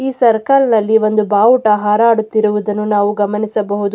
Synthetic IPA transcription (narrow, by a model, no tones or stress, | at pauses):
iːsɐɾkaːlɐnɐlːiʋo̞nd̪ubaːʋuʈaːɦaːɾaːɽut̪ːiɾuʋud̪ɐnːunaːʋuɡɐmɐnisɐbɐɦud̪u